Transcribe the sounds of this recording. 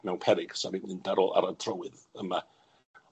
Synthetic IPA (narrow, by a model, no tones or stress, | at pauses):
mɛwnpʰɛɾɪɡ̥saɾinɨndaɾɔlˠa̰ɾatʰrəwɨð | əma